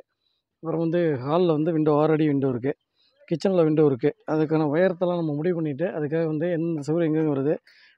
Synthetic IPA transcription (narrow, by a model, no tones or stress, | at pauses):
ɐpɐɾɐ̃ːʋɐnd̪ɯkaːllɐʋɐnd̪ɯʋɪɳɖoːaːɾɐɽiʋɪɳɖoɾɯk̬ːɯ | kɪt͡ʃːɐnlɐʋɪɳɖoːɪɾɯkːɯɐðɯkːaːnɐʋɐjɐɾɐt̪ːɐlãːnɐmːɐmʊɽɪʋpɐɳːɪʈ̬ːɯʔɐðɯkːaːɣɐʋɐnd̪ɯɛnd̪ɐsɐɾɛŋɡɐɯŋɡɐʋɐɾɯðɯ